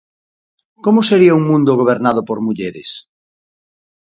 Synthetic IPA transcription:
komʊseɾiauŋmũnd̪ʊɣ̞oβ̞eɾnaðʊpoɾmuʎeɾḛs

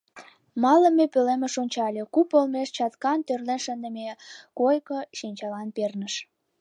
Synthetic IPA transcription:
mɑlə̆mːepølemĕʃonʲt͡ɕɑlʲekupəlmeʃt͡ɕɑt̪kɑnt̪ørlenʃənd̪əmekojkə̆ʃinʲt͡ɕɑlɑnpernəʃ

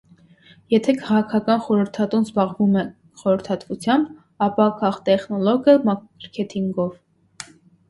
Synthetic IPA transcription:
jɛt̪ʰɛkʰɑʁɑkʰɑkɑnχɔɾəɾt̪ʰɑt̪unzbɑʁvumɛ | χɔɾəɾt̪ʰɑt̪vut͡sʰjɑmb | ɑpɑkɑχt̪ɛχnɔlɔɡəmɑəɾkʰɛt̪ʰiŋɡɔv

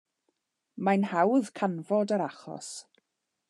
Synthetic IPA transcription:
majnhawðkʰanvɔdəɾaχɔ̰s

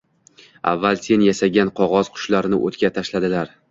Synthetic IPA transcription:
a̰vːalˠse̞njaʃaɡʲanqʰɒʁɒz̥qʰʊ̥ʃlaɾɪnɪ̰ʔo̰t̪kʲat̪ʰaʃlad̪ɪlaɾ

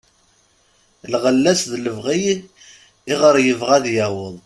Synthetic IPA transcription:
lʁəlːæsðləvʁij | iʁəɾjəvʁæðjæwəðˤ

